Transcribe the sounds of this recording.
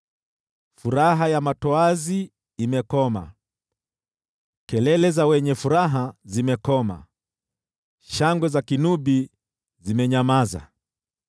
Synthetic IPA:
fuɾaɦajamatɔazi | imɛkɔma̰ | kɛlɛlɛzawɛɲɛfuɾaɦazimɛkɔma̰ | ʃaŋɡwɛzakinuɓi | zimɛɲamaza̰

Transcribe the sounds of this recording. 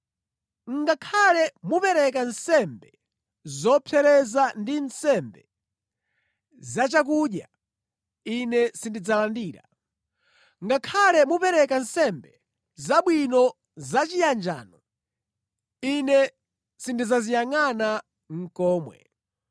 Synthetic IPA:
ŋ̩ɡakʰalɛmupɛɾɛkansɛmbɛ | zɔpʰɛɾɛzandinsɛmbɛ | zat͡ʃak̬uɗja̰ | inɛsindid͡zalandiːɾa | ŋɡakʰalɛmupɛɾɛkan̩sɛmbɛ | zaɓwinɔ | zat͡ʃijand͡ʒa̰ːnɔ | inɛ | sindizazijaŋana | ŋ̩kɔːmwɛ̰

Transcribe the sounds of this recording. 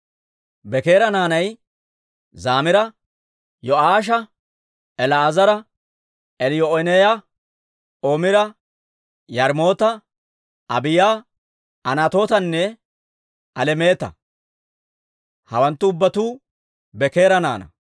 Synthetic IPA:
bɛke̞ːɾɐnaːnɐj | zaːmɪɾɐ | jɔaːʃ̬ɐ | ɛlɐːzɐɾɐ | ɛljɔɔnejɐ | oːmɪɾɐ | jɐɾmo̞ːt̪ɐ | ɐbɪja | ɐnat̪o̞ːt̪ɐnːɛ | ɐlɛme̞ːt̪ɐ̰ | hɐwɐnt̪ːʊːbːɐt̪uː | bɛke̞ːɾɐna̰ːnɐ̰

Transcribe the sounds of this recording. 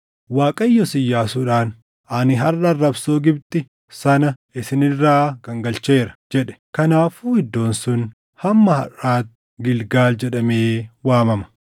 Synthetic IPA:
waːkʼɐjːɔsɪjːaːsuːᶑaːn | ɐnɪɦɐrːɐrːɐbsoːɡɪbt̪ɪ | sɐnɐɪsɪnɪrːaːɡ̥ɐŋɡɐlt͡ʃe̞ːɾɐ̥d͡ʒɛᶑɛ̥kɐnaːfuːhɪd̪ːo̞ːnsʊn | hɐmːɐhɐ̰raːt̪ | ɡɪlɡaːld͡ʒɛᶑɐmeːwaːmɐmɐ̥

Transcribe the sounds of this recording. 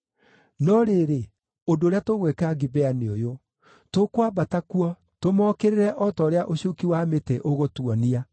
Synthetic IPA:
nɔɾeɾe | ondoːɾeatoɣwekaɡibɛaneojo | tokwabatakuɔ | tomɔkeɾeɾɛʔɔtɔɾeaʔoɕiokiwameteʔoɣotuɔnia

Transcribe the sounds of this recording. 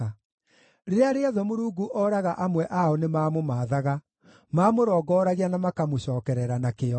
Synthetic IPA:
ɾeɾeaɾeaðɔmoɾuːɡuʔɔɾaɣaʔamwɛʔaɔnemaːmomaːðaɣa | mamoɾɔːɡɔːɾaɣianamakamoɕɔːkɛɾɛɾanakeɔ

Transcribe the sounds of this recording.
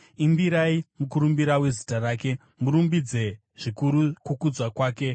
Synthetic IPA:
imbiɾaimukuɾumbiɾawe̞zitaraːke̞ | muɾumbid͡ze̞ | ʐ̥ikuɾukukud͡zwakwaːke̞

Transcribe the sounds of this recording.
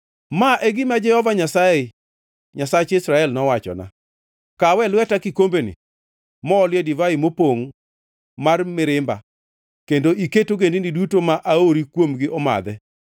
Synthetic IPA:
maʔɛɡɪmad͡ʒɛhɔvaɲasaɪ | ɲasat͡ʃisɾaɛlnɔwat͡ʃɔ̰na̰ | kawɛlwɛtakikombenḭ | mɔːljedivaɪmopoŋ | marmɪɾɪmba | kendoʔiketoɡendinidutomaʔaoɾikwomɡɪʔɔma̰d̪ɛ

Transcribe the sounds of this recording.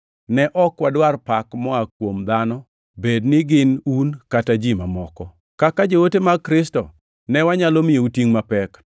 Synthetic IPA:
nɛʔɔkwadwarpakmɔakwomd̪anɔ | bednɪɡɪnunkatad͡ʒimamɔkɔ | kakad͡ʒowotemakɾɪstɔ̰ | nɛwaɲalomɪoutiŋmapɛk

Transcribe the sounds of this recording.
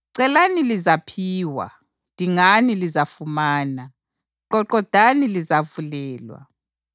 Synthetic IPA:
ǀɛlanilizapʰiːwa̰ | d̥ʱiŋanilizafumaːna | ǃɔǃɔd̥ʱanilizavulɛːlwa̰

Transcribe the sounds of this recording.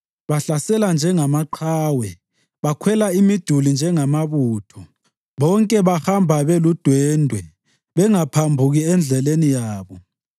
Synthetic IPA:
βaɬasɛland͡ʒʱɛŋamaǃʰaːwɛ | βakʰwɛlaimid̥ʱulind͡ʒʱɛŋamaβuːtʰɔ | βɔŋkʼɛβahambʱaβelud̥ʱwɛːndʱwɛ | βɛŋapʰambʱuɣiɛnd͡ɮʱɛlenijaːβɔ

